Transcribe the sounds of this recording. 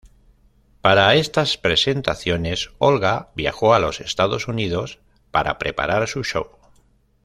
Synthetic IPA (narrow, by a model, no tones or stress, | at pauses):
paɾaest̪aspɾe̞se̞nt̪aθjo̞ne̞so̞lɣabja̰xoalo̞se̞st̪að̞o̞suniðo̞s | paɾa̰pɾe̞pa̰ɾaɾsuʃow